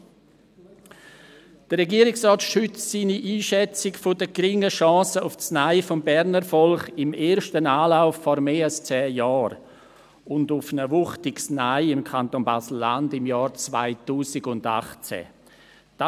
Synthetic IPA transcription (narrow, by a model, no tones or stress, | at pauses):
d̥ərːɛɡiːəɾɪksrɔːtʃʏt͡ssiːniʔiːʃɛt͡sɪkfʊdəɡ̥ɾɪŋəʃɑ̃ːsəʊft͡snaɪfɔmbɛɾnəɾfɔlχɪmeːɾʃtənaːlaʊfːɔɾmeːalst͡sɛːjɔːɾ | ʊndʊfnəvʊχtɪksnaɪɪmkʰantoːnbasl̩ːandɪmjɑːɾt͡sva̰ɪtuːsɪɡʊnda̰χt͡sɛ̰ | d̥a